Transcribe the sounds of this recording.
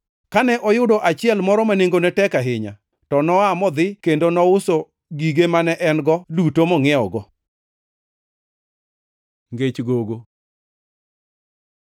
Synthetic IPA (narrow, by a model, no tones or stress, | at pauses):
kanɛʔɔjʊdɔʔat͡ʃɪɛlmɔɾɔmaneŋɡonɛtɛkaɦɪɲa̰ | tɔnɔamɔd̪ɪkendonɔʊso | ɡiɡemanɛʔɛnɡɔdutomɔŋɛɔɡɔ | ŋɡet͡ʃɡoɡo